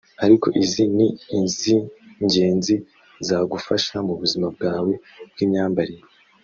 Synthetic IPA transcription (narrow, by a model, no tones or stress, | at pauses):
aɾiko̞̰ʔizininziɲɟe̞ːnzi | zaːɡufaʃamuβuzimab̚ɡaːwe̞ | b̚ɡiːmɲaːmbaɾije